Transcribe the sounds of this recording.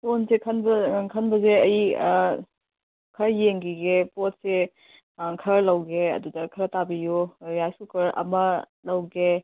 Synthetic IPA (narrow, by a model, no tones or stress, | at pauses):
sonsekʰɐnbɐkʰɐnbɐzeɐj | kʰɐɾjeŋɡiɡepot̚se | kʰɐɾlɐwɡeɐ̰dudɐkʰɐɾɐtabijujajsukʰɐɾɐ̰mɐ | lɐwɡe